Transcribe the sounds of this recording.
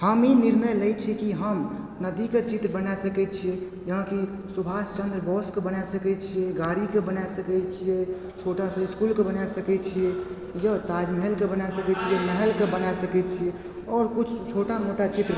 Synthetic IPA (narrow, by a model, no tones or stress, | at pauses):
həminiɾnəjləjt͡ʃʰikiɦəm | nəd̪iket͡ʃit̪ɾəbənasəkɛt͡ʃʰie | jəɦãki | subʱast͡ʃə̃nd̪ɾbɔskebənasəkɛt͡ʃʰijeɡaɽikebənajsəkɛt͡ʃʰie | t͡ʃʰoʈasɔ̃iskulkebənajsəkɛt͡ʃʰije | jət̪ad͡ʒməɦɛlkebənasəkɛt͡ʃʰieməɦɛlkebənajsəkɛt̪t͡ʃʰiɛ | ɔːɾkut͡ʃʰt͡ʃʰoʈamoʈat͡ʃit̪ɾ